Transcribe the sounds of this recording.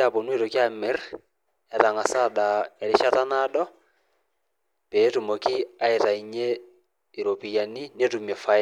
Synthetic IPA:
a˨po˨nwe˦˨ɾo˨ki˦a˦mɪ˨˦r | ɛ˨ta˨ŋa˨sa˦˨da˨ɛ˨ɾɪ˦ʃa˦ta˦na˦ɗɔ˦ | pe˨˦tu˨mo˨ki˦a˦e˨ta˨i˨ɲe˦ | i˨ɾo˨pi˨ja˨ni˦ne˦tu˨mɛ˨fa˨

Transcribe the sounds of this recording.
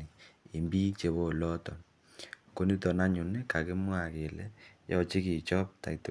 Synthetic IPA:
i˨i˨mbi˦t͡ʃe˨βo˦˨lɔ˦tɔ˨ | ko˦ni˦tɔ˨na˦ɲu˨ni˦ka˨ke˦mwa˨ke˨lɛ̰˦jɔ˦t͡ʃi˦ki˨t͡ʃɔ˦p̚ta̰˨i˨to˨

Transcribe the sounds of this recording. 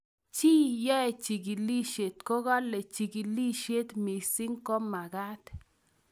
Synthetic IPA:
t͡ʃi˦jɔ˦ɛ˨t͡ʃi˨ɡi˨li˦ʃe˨t̪kɔ˦ɣa˦le˨t͡ʃi˨ɡi˨li˦ʃe˦t̪mi˨si˦ŋkɔ˦ma˨ɡa˦t̪

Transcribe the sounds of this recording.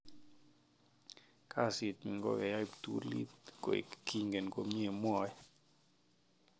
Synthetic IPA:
kʰa˦˨si˨t̪mi˨ŋɡɔ̰˦ɛ˨ja˦i˦pt̪ṵ˦lḭ˦t̪ko̰˨ḭ˨kki˦ŋɡe˨nko˦mɲe˦˨mwɔ˦ɛ˦

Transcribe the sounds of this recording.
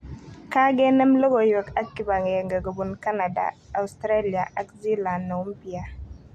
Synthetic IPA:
ka˦ɡe˦nɛ˦mlɔ˦ɡo˨jɛ˨ka˦kːi˨ba˨ŋ˨je˨ŋɡa˨ɡə˨bu˨nka˦na˨da̰ː˨stɾa˦li˨a˨ʔa˦kzi˦la˨ndːɔ˨u˦mpi˨a˨

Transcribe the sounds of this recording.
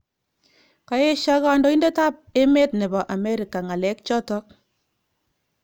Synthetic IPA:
ka˨e˦ʃa˦ka˨ndɔ˨i˦nde˦ta˦p̚e˦me˦tnɛ˨bɔ˨ʔa˨me˦ɾi˨ka˨ŋa˨lɛ˦k̚t͡ʃɔ˦tɔ˦k̚

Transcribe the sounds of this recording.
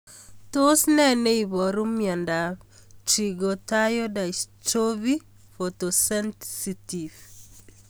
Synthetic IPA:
to˦snɛ˦ne˦i˨βɔ˨ɾu˦mjɔ˨nda˨t͡ʃiɡo˨tajo˦da˨t͡ʃoβi | fotosɛ˦nsitiv

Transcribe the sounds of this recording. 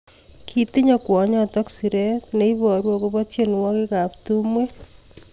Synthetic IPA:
kʰi˦ti˦ɲakwɔ˨ɲɔtɔksiɾetneiβɔ˨ɾwɔ˦koβɔtje˦n˨wɔ˦keka˨ptumwe˦

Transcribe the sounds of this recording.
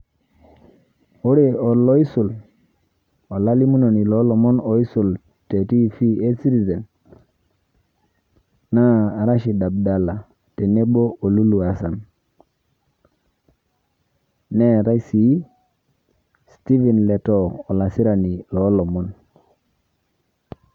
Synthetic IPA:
o˦ɾe˦ɔ˨lɔ˦i˦su˨l | ɔ˨la˦li˦mu˦no˨ni˨lɔ˨˦lɔ˨mɔ˦no˨i˦su˨l | te˨ti˦fi˦e˦si˦ɾi˨ze˨n | na˦˨ɾa˦ʃi˨da˨b̚da˦la˨ | te˨ne˦bo˦ʔo˨lu˦lu˨a˨sa˨n | ne˦˨ɾa˦si˨˦ | sti˦vi˨nle˨tɔː˦˨la˨si˦ɾa˨ni˨lɔ˨˦lɔ˨mɔ˦n

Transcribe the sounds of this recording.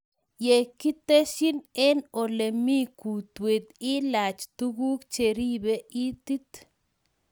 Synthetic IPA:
je˨ki˦t̪e˦ʃi˦ne˦no˨le˨mi˦ku˨t̪we˨t̪i˦la˨t͡ʃt̪u˦ɡu˦kt͡ʃe˨ɾi˦be˦i˦t̪i˦t̪

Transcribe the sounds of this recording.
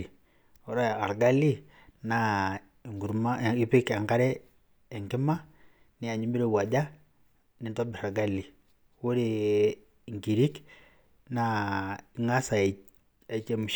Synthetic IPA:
i˨ | o˨˦ɾa˦˨a˨ɾɡa˦li˦ | na˦˨ | ŋɡu˨ɾma˦˨i˦pi˦ka˨ŋka˦ɾɛː˦˨ | ŋki˦ma˦ | ni˦a˨ɲi˦mbi˦ɾe˦wa˨d͡ʒa˦ | ni˨nto˦bi˨ɾa˨ɡa˦lːi˨ | wo˦ɾe˨ | ŋɡi˨ɾi˦k | na˦i˨˦ŋa˦sa˨ | a˨t͡ʃe˦mu˨

